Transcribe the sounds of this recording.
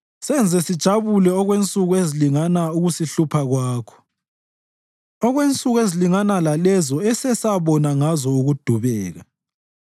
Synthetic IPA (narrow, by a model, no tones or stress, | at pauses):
sɛnd͡zʱɛsid̥ʒ̥ʱaβulɛɔɣwent͡sʼuɣueziliŋanauɣusiɬupʰaɣwaːkʰɔ̥ | ɔɣwent͡sʼuɣueziliŋanalalɛzɔɛsɛsaβɔnaŋazɔuɣud̥ʱuβɛːɣa